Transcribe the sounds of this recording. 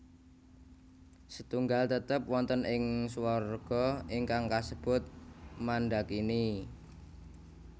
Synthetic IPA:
sət̪uŋɡalt̪ət̪əpwɔnt̪ənʔɪŋswarɡ̥ɔ̤iŋkaŋkasəb̥ʊt̪̚manɖakini

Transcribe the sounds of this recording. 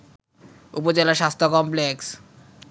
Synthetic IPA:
upod͡ʑelaɾʃast̪ʰokɔmpleks

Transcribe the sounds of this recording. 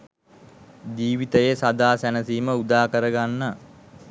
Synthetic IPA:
d͡ʒiːʋit̪əjesad̪aːsænəsiːməud̪aːkəɾəɡanːə

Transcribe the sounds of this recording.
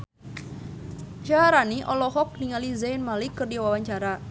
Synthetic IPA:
ʃaɦaɾaniʔɔlɔɦɔk̚niŋalizajnmalikɨrdiwawaɲt͡ʃaɾa

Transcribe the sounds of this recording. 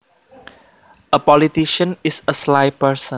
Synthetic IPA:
əpɔlit̪iʃə̃nisəslaɪpəsə̃

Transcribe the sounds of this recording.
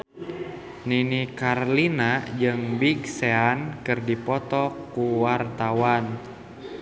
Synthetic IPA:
ninikarlinad͡ʒɨŋbiɡseankɨrdipɔt̪ɔkuwart̪awan

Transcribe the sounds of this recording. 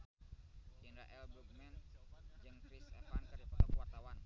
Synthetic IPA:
d͡ʒindɾa̰ʔɛlbɾuk̚mɛnd͡ʒɨŋkɾisɛ̰fankərt̪akuwart̪awan

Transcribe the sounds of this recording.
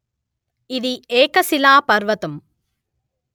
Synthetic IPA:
ɪðieːkɐsɪlaːpɐɾʋɐt̪ɯm

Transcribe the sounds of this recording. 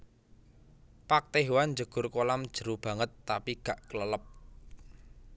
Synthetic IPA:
pak̚t̪eɦwand͡ʒəɡ̥ʊrkolamd̥ʒ̥ə̤ɾub̥ä̤ŋət̪ːapiɡ̥aʔkələləp̚

